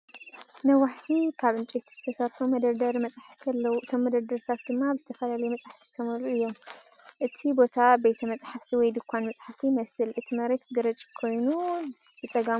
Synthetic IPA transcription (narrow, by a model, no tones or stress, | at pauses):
nɐwaħt̪ʰikʰaβɨnt͡ʃʼet̪ʰzɨt̪ʰɐsɐɾħumɐd̪ɐɾd̪ɐɾmɐt͡sʼaħaft̪ʰɐlːɐwuʔɨt̪ʰo̞mːɐd̪ɐɾd̪ɐɾt̪ʰat̪̚d̪ɨmːabɨzɨt̪ʰɐfɐlalɐjumɐt͡sʼħt̪ʰiz̥ɨt̪ʰɐmɐɾluɨjːo̞mʔɨt̪ʰibo̞t̪ʰabe̞t̪ʰɐmɐt͡sʼħaft̪ʰiwɔjd̪ɨkʷʰːanmɐt͡sʼħaft̪ʰimɐsɨlʔɨt̪ʰimɐɾet̪ɡɨɾɐt͡ʃʼi̥kʰo̞jnu | jɨt͡sʼɐɡa